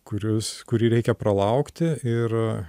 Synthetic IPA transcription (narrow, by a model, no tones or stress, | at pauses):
kʊɾʲʊskʊɾʲiːɾʲɛɪkʲɛpɾɐlˠɐʊkt̪ʲɪɪɾ